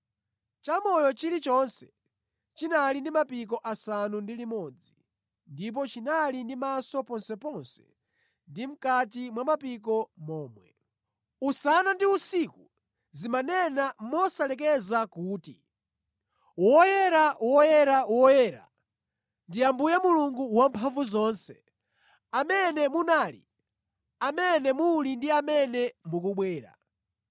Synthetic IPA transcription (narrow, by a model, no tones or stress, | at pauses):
t͡ʃamɔjɔt͡ʃiɾit͡ʃɔnsɛ | t͡ʃinalindimapik̬ɔʔasanundilimɔd͡zi | ndip̬ɔt͡ʃinalindimasɔpɔnsɛpɔnsɛ̥̰ | ndim̩katimwamapik̬ɔmɔːmwɛ̰ | usanandiusiku | zimanɛnamɔsalɛk̬ɛzakuːti | wɔjɛɾawɔjɛɾawɔjɛɾa̰ | ndiambujɛmuluŋɡuwampʰaɱvuzɔːnsɛ̥ | amɛnɛmunaːlḭ | amɛnɛmulindiamɛnɛmukuɓwɛːɾa̰